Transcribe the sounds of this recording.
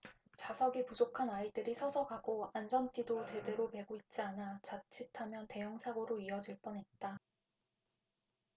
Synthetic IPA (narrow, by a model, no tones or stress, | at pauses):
t͡ɕasʰʌɡipud͡ʑokʰanaidɯɾisʰʌsʰʌɡaɡoand͡ʑʌnt͈idot͡ɕe̞de̞ɾome̞ɡoit̚t͡ɕ͈ianat͡ɕat͡ɕʰitʰamjʌnte̞jʌŋsʰaɡoɾoiʌd͡ʑiɭp͈ʌnɦe̞t̚t͈a